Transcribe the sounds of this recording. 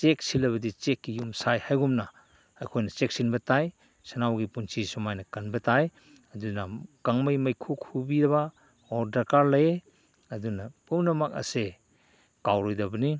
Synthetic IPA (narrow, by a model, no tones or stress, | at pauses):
t͡ʃek̚silɐβɐdit͡ʃekːijumsajhajɡumnɐ | ɐjkʰojnɐt͡ʃek̚sinbɐtaj | sanawɡipunsʰisɔmajnɐkɐnbɐtaj | ɐdunakaŋmɐjmɐjkʰuk̚hubiɾɐβa | ɔɾdakaɾlɐje | ɐdunɐpumnɐmak̚a̰se | kawɾɔjdɐbɐni